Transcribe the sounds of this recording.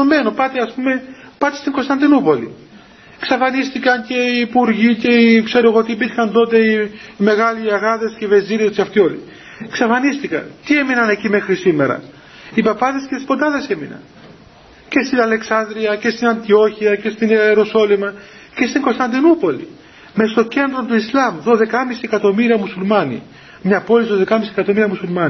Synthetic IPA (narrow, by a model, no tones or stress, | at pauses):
ome̞nopɐt̪eɐspume̞ | pɐt̪est̪iŋɡo̞st̪ɐnd̪inupo̞lḭ | ksɐfɐnist̪ikɐnce̞iːpuɾʝice̞ikse̞ɾoeɣot̪ipixɐnt̪o̞t̪e̞iːme̞ɣɐliaɣɐðe̞sceive̞ziɾescɐft̪io̞lḭ | ksɐfɐnist̪ikɐ̰nt̪ieminɐne̞cime̞xɾisimeɾɐ̰ | ipɐpɐðe̞scet̪ispot̪ɐðe̞seminɐ̰n | ce̞st̪inɐle̞ksɐnd̪ɾiɐce̞st̪inɐnt̪io̞çiɐcest̪ineeɾo̞so̞limɐ | ce̞st̪iŋɡo̞st̪ɐnd̪inupo̞lḭ | mest̪o̞ce̞nd̪ɾo̞nt̪uislɐmðo̞ðe̞kɐmisiekɐt̪o̞miɾiɐmusulmɐnḭ | mɲɐpo̞lisoðe̞kɐmisiekɐt̪o̞miɾiɐmusulmɐni